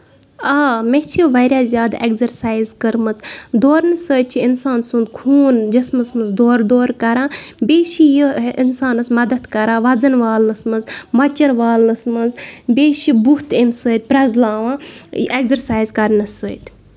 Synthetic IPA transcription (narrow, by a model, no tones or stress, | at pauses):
aːmet͡ʃʰiʋɐɾʲjaːzʲjaːd̪aʔeɡzɐɾsaːjzkəɾmɨt͡sd̪oːɾnɨsəːt̪̚t͡ʃʰiinsaːnsũnd̪kʰuːnd͡ʒɐsmɨsmɨzd̪oːɾd̪oːɾkɐɾãːbeːʃijəinsaːnɨsmɐd̪ɐt̪kɐɾãːʋɐzɐnʋaːlnɨsmɨzmɐt͡ʃɐɾʋaːlnɨsmɨnzbeːʃibut̪emsəːt̪̚ʲpɾɐzlaːʋãːeɡzɐɾsaːjzkɐɾnɨsəːt̪ʲ